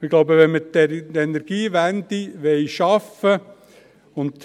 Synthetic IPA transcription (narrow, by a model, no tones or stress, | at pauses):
ɪɡ̥loʊbəʋɛnmət̪ɛɾenɛɾɡ̥iːʋænd̪iʋɛɪʃɑfə | ʊnd̪̥